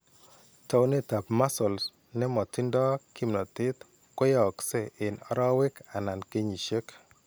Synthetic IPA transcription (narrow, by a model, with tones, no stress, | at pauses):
ta˦wne˦ta˨pma˦sɔ˨ls | nɛ˦mɔ˨tɪ˦ndɔ˦kʰi˦mnɔ˨t̪ɪ˦t̪ | kɔ˦jɔ˨ksɛ˦˨ɪ˨nɔ̰˨ɾɔ˦wɪ˦ka˨na˨nke˦ɲi˨ʃe˦k